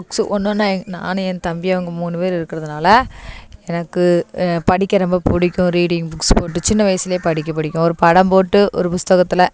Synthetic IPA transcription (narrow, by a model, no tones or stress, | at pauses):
bʊksʔɔnːɐnːaːɛna̰ːnɯɛnt̪ɐmbɪɐʋɐŋɡɐmuːnɯpeːɾɪɾɯkːɪɾɐðɯnaːlɐɛnɐkːɯpɐɽɪkʲːɐɾɔmbɐpʊɽɪkʲːʊ̃ɾiːɽɪŋbʊkspoːʈːɯt͡ʃɪnːɐʋɐjɐsɪlɐjeːpɐɽɪk̬ʲːɐp̬ːɐɽɪkʲːʊ̃ɔɾɯpɐɽɐmpoːʈːɯʔɔ̰ɾɯpʊst̪ɐɣɐt̪ːɪlɐ